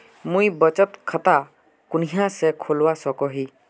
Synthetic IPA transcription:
mũjbət͡ʃət̪kʰət̪a | kʊniɦãsɛkʰolwasɔkɔɦi

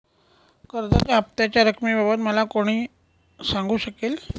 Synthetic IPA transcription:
kəɾd̪at̪aap̚t̪jat͡ɕjaɾəkʰmiːbʱabət̪məlakoɽ̃iː | saŋɡuːɕəkel

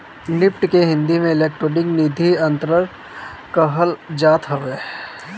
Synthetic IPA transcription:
nɪpʈkeɦɪ̃nd̪imẽɪleːk̚ʈɾoːɖɪknid̪ʱiɐ̃nt̪ɾəɾ | kəɦəld͡ʒaːt̪ɦoʋeː

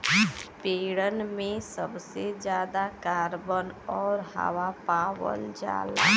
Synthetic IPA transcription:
peːɽənmẽsəbsed͡ʒjaːd̪akaːɾbənɔːɾɦə̰wapaːwə̰ld͡ʒa̰ːla

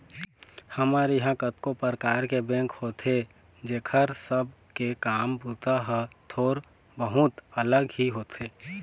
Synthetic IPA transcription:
hɐmaːɾeɦãkət̪kopəɾəkaːɾkebɛ̃ːŋkhoːt̪ʰe | d͡ʒeːkʰəɾsəb̚ | kekaːmbut̪aɦɛt̪ʰoːɾ | bəɦʊt̪ələɡɦiɦoːt̪ʰeː

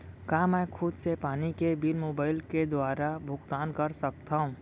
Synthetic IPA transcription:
kaːmɛ̃kʰʊd̪sepaːnikebilmoːbaːɪlked̪waːɾabʱʊkt̪aːnkəɾsək̚t̪aːũ

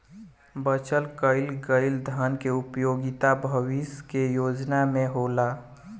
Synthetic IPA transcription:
bət͡ʃəlkəɪlɡəɪld̪ʱankeʊpjoːɡɪt̪abʱəwiskejoːd͡ʒnamẽɦoːla

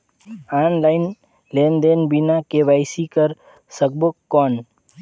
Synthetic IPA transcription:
aːnlaːɪn | leːnd̪eːnbinakeʋaːɪsikəɾ | sək̚bokːɔːn

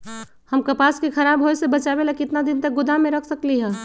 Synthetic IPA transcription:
həmkɐpaːskixʰɐɾaːbɦoːjsebɐt͡ʃabelakɪt̪nad̪ɪnt̪ɐk̚ɡʊd̪ʱamẽɾɐkʰsəkliɦɛ̃ː

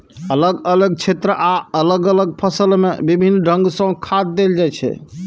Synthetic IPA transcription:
ələɡələɡ̚t͡ʃʰet̪ɾəʔaələɡələɡ̚pʰəsəlmḛbibʱinːɖʱə̃ŋɡsə̃kʰad̪̚d̪eld͡ʒajt͡ʃʰɛ̰

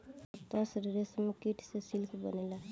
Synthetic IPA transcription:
t̪əsɾiɾesmekiʈʰsesilkʰbə̰nela

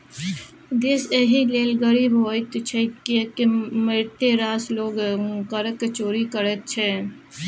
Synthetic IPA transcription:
d̪eːseɦileːlɡəɾiːbɦoːt̪t͡ʃʰɛkːkemeɾt̪eɾaːsloːɡkəɾəkːet͡ʃoːɾikəɾɛt̪̚t͡ʃʰɛ

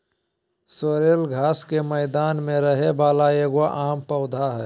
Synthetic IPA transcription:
soːɾeːlɡʱaːskemɛɪd̪aːnmẽɾəɦebaːlaeːɡʋaʔaːmpəʊd̪ʱaɦɛː

